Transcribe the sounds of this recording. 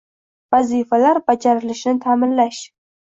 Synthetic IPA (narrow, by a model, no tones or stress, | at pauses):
vazifalaɾbad͡ʒaɾɪlɪʃnɪt̪ʰamɪnlaʃ